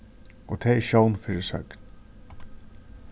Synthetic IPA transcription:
ɔt̪ʰɛːɪʃownfɪɾɪsœ̰kn

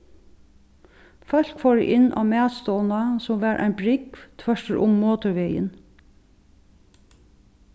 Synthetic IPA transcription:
fœl̥kfɔːɹə̰ʔɪnːʔa̰ːmæːt̪st̪ɔːnasʊmʋæːɾʔæ̰ɪnbɾɪkvt̪ʰʋœʂtəɾʔʊmːoːt̪ʊɹʋeːjə̰n

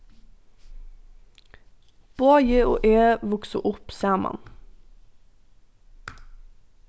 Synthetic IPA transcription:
b̥oːjeʔo̰ːʔeːʋʊksəʔʊpseːmɑ̰n

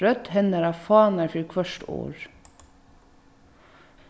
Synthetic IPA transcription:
œt̪hɛnəɾɑːfɑːnəfɾiːkʰʋœʃʈo̰ːɹ

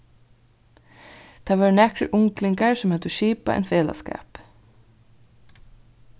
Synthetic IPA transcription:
t̪ʰɑːʋɑːɹnɛkɾəʔʊŋklɪŋkaɹsɔmhœt̪ʊʃiːpa̰ɛ̰ɪnfeːlɑ̰skɑ̰ːp

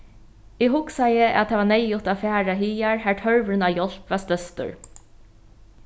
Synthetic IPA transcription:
iːhʊksɑɪəʔæ̰t̪ʰæʋɑːneɪʊt̪ɑfæːɹɑhiːæɹhæːʈʰhœɹʋəɹnɑːjɔlpʋɑːst̪œst̪ə̰ɹ

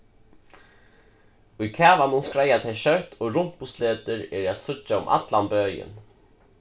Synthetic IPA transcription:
ʊjkʰæːʋanʊnskɾajat̪ʰɛʃœwt̪ʰoːɾʊm̥pʊst̪leːt̪əɾɛɾat̪sʊt͡ʃːaʊ̰mʔa̰t̪lanbøːjɪ̰n

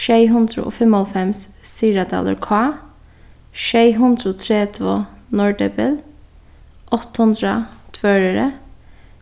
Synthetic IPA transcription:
ʃeɪɦʉnd̪ɾə̰ʔo̰ːfɛmɔlfɛmssiːɾɑd̪ɑ̰ːlə̰ɾkʰɑː | ʃeɪɦʉnd̪ɾəoːt̪ʰɾeːt̪ʰʋoːnɔɹɖɛbəl | ʔɔt̪hʉnd̪ɾɑt̪ʰʋøːɹəɾə

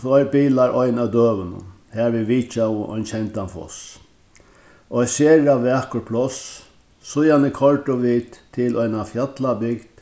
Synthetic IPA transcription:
ɔjɾbiːlaɾɔjnawd̪øːʋənʊ̰n | haɾʋiʋiːt͡ʃawʔɔ̰jnt͡ʃʰɛnt̪anfɔ̰s | ɔjsɛːɾaʋɛːkʊpʰlɔs | sʊjanɪkʰɔɹʈʊʋiːt̪ʰːɪlʔɔjnafjat̪labɪkd̪̥

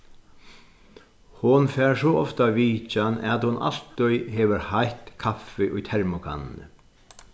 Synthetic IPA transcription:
hʊnfɛɾsɔɔft̪aviːt͡ʃana̰t̪hʊnʔa̰l̥t̪ʊjɦɛːʋɪɾhajht̪kʰafɪʔʊjt̪ʰɛɹmʊkʰa̰nːɪ̰nə̰

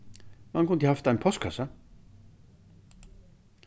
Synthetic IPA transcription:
mankʊnd̪əhaft̪ajnpʰɔst̪̚kʰasa

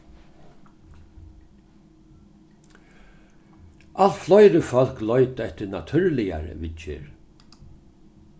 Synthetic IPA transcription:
ʔalt̪flɔjɾəfœl̥klɔʏt̪ɛht̪ɪnat̪ʰʏɾlɪja̰ɾə̰ʋɪɪ̰ɹ

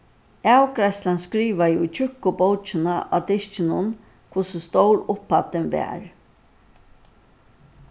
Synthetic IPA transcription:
awkɾaslanskɾiːʋajʊt͡ʃʰʏhkʊbowt͡ʃɪnaʔa̰ːd̪ɪʃt͡ʃɪnʊn | kʰʊsəst̪owɾʊpːat̪ɪnʋɛ̰ːɾ

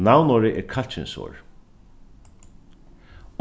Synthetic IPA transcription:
nawnɔːɾɪʔɛɾkʰalt͡ʃɪ̰nso̰ːɹ

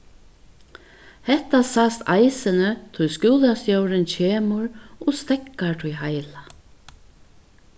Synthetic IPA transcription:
hɛht̪asast̪ajsɪnɪt̪ʰʊjskuːlast̪jowɾɪnt͡ɕʰeːmʊɾɔst̪ɛkːaɹt̪ʰʊjhajla

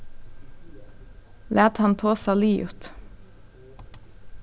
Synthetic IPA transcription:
lʔæːt̪hɑnt̪ʰoːsɑliːʔʉt̪

